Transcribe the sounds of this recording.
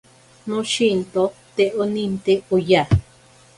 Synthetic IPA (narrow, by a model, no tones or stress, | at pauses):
nõʃint̪ot̪eʔonĩnt̪eoja